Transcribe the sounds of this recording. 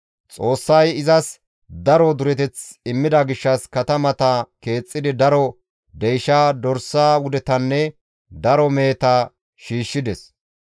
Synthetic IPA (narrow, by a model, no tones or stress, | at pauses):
t͡sʼo̞ːsːɐjɪzɐs | d̪ɐɾɔd̪ʊɾɛt̪ɛt͡sɪmːɪd̪ɐɡɪʃːɐskɐt̪ɐmɐt̪ɐke̞ːt͡sʼːɪd̪ɪd̪ɐɾɔ | d̪ejʃaːd̪ɔɾsaːwʊd̪ɛt̪ɐnːɛ | d̪ɐɾɔmeːt̪ɐ | ʃiːʃːɪd̪ɛs